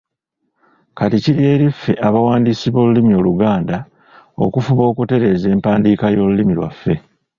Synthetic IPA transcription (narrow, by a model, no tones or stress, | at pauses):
katiciɾie̞ːɾifːe̞ʔaβawaːndisiβo̞ːlulimio̞ːluɡaːnda | o̞̰kufuβo̞ːkute̞ɾe̞ːze̞ːmpaːndiːkajo̞ːlulimilwa̰fːe̞